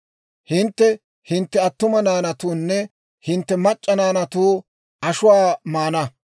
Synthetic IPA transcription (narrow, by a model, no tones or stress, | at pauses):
hɪnt̪ːɛ | hɪnt̪ːɛɐt̪ːʊmɐnaːnɐt̪uːnːɛ | hɪnt̪ːɛmɐt͡ʃʼːɐnaːnɐt̪uː | ʔɐʃʊwaːmaːnɐ